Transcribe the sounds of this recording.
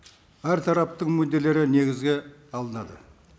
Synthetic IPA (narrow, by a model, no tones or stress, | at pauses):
æɾt̪ʰɑɾɑp̚t̪əɴmɵd̪e̞lːe̞ɾɪne̞ɡʲɪzɡʲe̞ɑlˠənɑd̪ə̰